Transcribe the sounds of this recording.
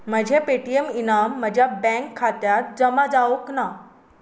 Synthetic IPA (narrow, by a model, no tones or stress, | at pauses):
m̤əd͡ʑʱepeʈieminamːəd͡ʑʱjabɛ̃ŋkʰːat̪jat̪̚d͡zəmad͡zaʋokna